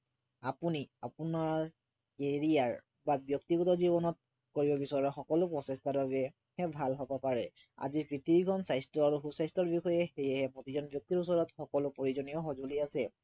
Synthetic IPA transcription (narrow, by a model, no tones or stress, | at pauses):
apuniapunaɹ | keɹiaɹ | babjɔktiɡutɔzibɔnɔt̚ | koɹibɔbisɔɹɛxɔkɔlʊpɹɔsɛstalɔɡɛ | hɛbʱalɦɔbapaɹɛ | a̰zipɹitibikʰɔnsajstɹɔaɹuxusajstɹɔɹbixɔjɛxejɛɦɛpɹotizɔnbjɔk̚tiɹus̬ɔɹɔtxɔkɔlʊpoɹizɔnijɔxɔzuliasɛ